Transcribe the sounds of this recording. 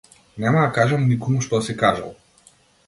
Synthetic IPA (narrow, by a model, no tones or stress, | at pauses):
nɛmad̪akaʒamnikɔmuʃt̪ɔsikaʒa̰lˠ